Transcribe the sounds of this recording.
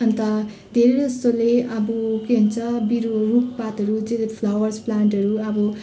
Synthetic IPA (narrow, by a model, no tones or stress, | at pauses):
ʌnt̪ʌ | d̪ʱeɾed̪ʌst̪oleʌbukeɦunt͡sʰʌbiɾorukpat̪ʌɾud͡zelepʰlawʌrsplaɳʈɦʌɾuʌbʌ